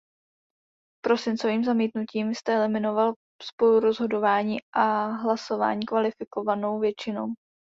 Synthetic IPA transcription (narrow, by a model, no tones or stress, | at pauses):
pɾo̞sɪnt͡so̞viːmzamiːt̪nuciːmst̪ɛɛlɪmɪno̞val | spo̞luɾo̞zɦo̞do̞vaːɲiːʔaɦlaso̞va̰ːɲiːkvalɪfɪko̞vano̞wvjɛt͡ʃɪno̞̰w